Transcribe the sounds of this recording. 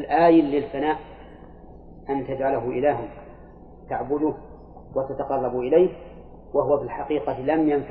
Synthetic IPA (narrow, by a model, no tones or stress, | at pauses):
lʔaːjɪlːɪlfanaːʔ | ʔant̪ad͡ʒʕalaɦʊʔɪlaːɦɪm | t̪aʕbʊd̪ʊ | wat̪at̪aqɑrˤːɑbʔɪlajh | waɦʊwafilħaqiːqɑlamjanf